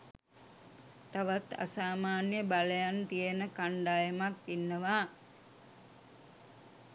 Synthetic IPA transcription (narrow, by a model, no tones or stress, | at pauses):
t̪aʋat̪a̰saːmaːnjəbaləjant̪ijənəkaɳɖaːjemakinːəʋaː